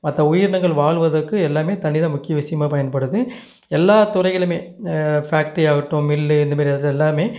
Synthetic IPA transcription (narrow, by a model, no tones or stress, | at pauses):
mɐt̪ːɐʊjɪɾɳɐŋɡɐɭʋaːɭʋɐðɐkːɯɛlːaːmeːt̪ɐnɪðɐ̃mʊkːɪjɐʋɪsɐjɐmaːpɐjɐnpɐɽɯðɯ | ɛlːaːt̪ʊrɐɪɣɐɭɯmeːfaːk̚ʈijaːɣɪʈːʊ̃mɪlːɯɪnd̪ɐmaːɾiɐððɛlːaːmeː